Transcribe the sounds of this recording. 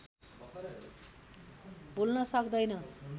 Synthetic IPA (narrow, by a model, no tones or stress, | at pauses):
bulnʌsʌkd̪ʌjnʌ